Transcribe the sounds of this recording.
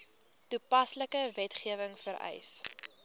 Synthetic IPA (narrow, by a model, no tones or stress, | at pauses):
tupɐsləkəvɛtχiəvəŋfəɾɛ̰js